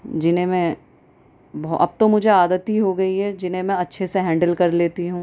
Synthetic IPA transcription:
d͡ʒɪnẽmɛ̃ | bʔɐ̰b̚t̪omʊd͡ʒʱeaːd̪ət̪ɦiɦoɡɐiɦɛd͡ʒɪnɦẽmɛ̃ɐtːʃʰeseɦɛ̃ːɳɖəlkɐɾleːt̪iɦũː

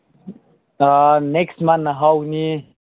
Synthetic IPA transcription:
neksmanɦawni

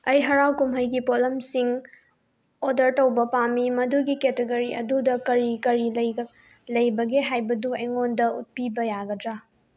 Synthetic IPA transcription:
ɐjɦɐɾawkumɦɐjɡipolɐmsiŋ | odɐɾtɐwbɐpamimɐduɡiketeɡɐɾiɐ̰dudɐkɐɾikɐɾilɐj | lɐjbɐɡeɦajbɐduɐjŋondɐṵt̚pibɐjaɡɐdɾa

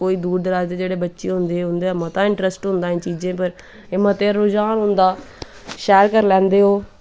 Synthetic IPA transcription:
koːiːd̪uːɽd̪əɾaːd͡ʒd̪eːd͡ʒeːɽeːbətːʃeɦʊ̃nd̪eɦʊ̃nd̪eːaːmãːt̪ãɪ̃ɳʈɾəsʈɦʊ̃nd̪aːɦĩːt͡ʃiːzẽːpəɾ | emãːt̪eːɾɾoːd͡ʒaːnɦʊ̃ːnd̪aː | ʃɛːəɾkəɾlɛ̃ːnd̪eːɦoː

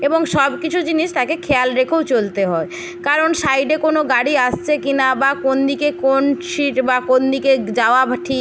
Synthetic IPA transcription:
eboŋʃɔbkit͡ɕʰud͡ʑiniʃt̪akekʰealɾekʰowt͡ɕolt̪eɦɔe | kaɾonʃajɖekonoɡaɽiaʃt͡ɕʰekinabakond̪ikekonʃiʈbakond̪iked͡ʑaoabʱʈʰi

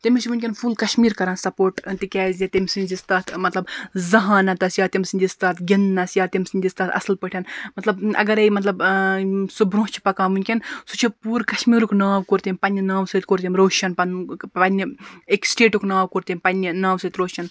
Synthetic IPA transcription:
t̪emisʰʋunʲkʲenfʰulkɐʃmiːɾkɐɾãːnsɐpoːɾʈt̪ikʲɛːzʲet̪emisɨnʲzist̪aːt̪ʰmɐt̪lɐbzɐɦaːnɐt̪ɐsjaːt̪imsɨnʲd͡ʒ̪ʲist̪aːt̪ɡʲinːɐsjaːt̪iemsɨnʲd͡ʒist̪aːt̪ʰɐ̰slpəʈʰɐnmɐt̪lɐbɐ̰ɡɐɾejmɐt̪lɐb | subɾõːt͡ʃʰi̥pɐkãːnʋunʲkʲensut͡ʃʰipuːɾkɐʃmiːɾuknaːwkoɾt̪ʲimʲpɐnʲːinaːwsɨt̪̚ʲkoɾt̪ʲimɾoːʃɐnpɐnɐnʲːieksʈeːʈuknaːwkoɾt̪imʲpɐnʲːinaːwsɐt̪ɾoːʃɐn

